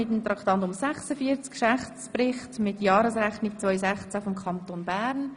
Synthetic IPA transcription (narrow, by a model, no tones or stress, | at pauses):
ɪtənt̪ɾɑkt̪ɑntʊmsɛχsəfiəɾt͡skʃɛχtsprɪχtmɪtjɑːɾəsrɛχnik̚t͡svœʏsɛχt͡sæfomkʰɑntonbæːɾn